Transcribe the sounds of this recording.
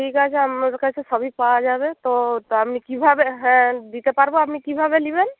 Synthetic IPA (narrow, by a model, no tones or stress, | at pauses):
ʈʰikat͡ʃʰeamaɾkat͡ʃʰesɔbʱipawad͡ʒabet̪oapnikibʱabeɦɛ̃d̪it̪epaɾboapnikibʱabeliben